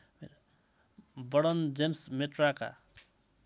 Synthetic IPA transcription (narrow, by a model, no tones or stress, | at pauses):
me | bʌɽʌnd͡zemsmeʈɾaka̰